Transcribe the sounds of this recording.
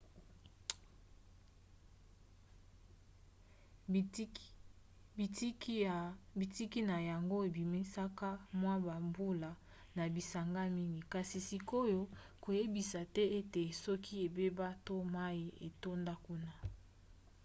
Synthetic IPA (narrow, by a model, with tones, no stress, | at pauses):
bi˨˦ | bi˨ti˦ki˦na˨ja˨ŋɡo˦e˨bi˨mi˦sa˦ka˦mwa˦ba˨mbu˦la˨ | na˨bi˨sa˨ŋɡa˦mi˦ŋɡi˨ka˨si˨si˨ko˦jo˦ | ko˨je˦bi˨sa˨tɛ˦e˦te˨sɔ˦kʰi˦e˨be˦ba˦to˦ma˦ji˦e˨to˦nda˦ku˦na˦